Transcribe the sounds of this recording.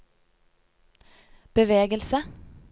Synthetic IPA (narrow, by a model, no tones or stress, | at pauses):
b̥əʋeːɡəlsə